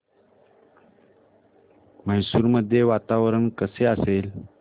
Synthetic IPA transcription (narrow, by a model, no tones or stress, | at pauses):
məjsuːɾməd̪ʱːjeʋat̪aʋɾəɳkəseəsel